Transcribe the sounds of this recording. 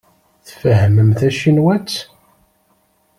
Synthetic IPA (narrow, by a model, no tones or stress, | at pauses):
θfəɦəməmθæʃinwæt͡sː